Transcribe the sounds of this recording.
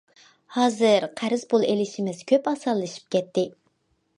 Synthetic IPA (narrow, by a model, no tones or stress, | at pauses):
hɑːzɨɾqʰæɾɪzpʰolˠelɪʃimɪz̥kʲʰøpɑsɑllːˠɨʃi̥p̚kʲɛt̪ːɪ